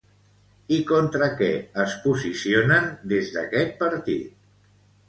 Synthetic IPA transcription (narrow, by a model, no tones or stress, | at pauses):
ikont̪ɾəkɛəspuzisionənd̪ezðə̰kɛt̪̚pəɾt̪ḭt̪̚